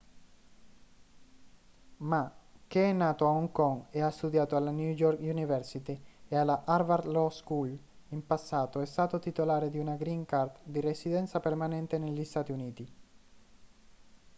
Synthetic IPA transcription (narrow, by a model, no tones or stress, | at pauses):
mak̟eɛnːaːt̪oaɔŋkɔŋeast̪ud̪jaːt̪oalːanjud͡ʒɔɾkunivɛɾsit̪iealaʔaɾvaɾd̪lɔskul | impasːaːt̪oɛst̪aːt̪ot̪it̪olaːɾed̪iunaɡɾiŋkart̪d̪iresid̪ɛnt̪sapermanɛnt̪eneʎːist̪aːt̪iuniːt̪i